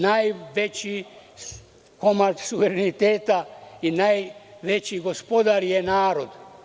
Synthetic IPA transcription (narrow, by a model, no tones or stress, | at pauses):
najʋet͡ɕi | komat̪suʋeɾenit̪eːt̪ainajʋet͡ɕiɡospo̞d̪aɾjenaːɾod̪